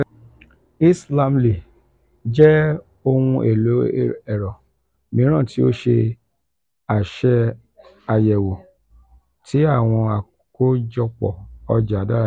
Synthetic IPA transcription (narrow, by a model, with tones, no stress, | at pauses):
i˦sla˧mle˨ | d͡ʒɛ˦ | o˧hũ˧ʔḛ˨lo˨˦ɛ˨ɾɔ˨ | mĩ˨˦ã˦˨ti˨˦o˦ʃe˧ | a˨ʃɛ˧ | a˧jɛ˨wo˨ | tʰi˨˦a˦˨w̃ɔ̃˧a˨ | ko˦d͡ʒɔ˧k͡pɔ̰˨ɔ˧d͡ʒa˨˦da˦ɾ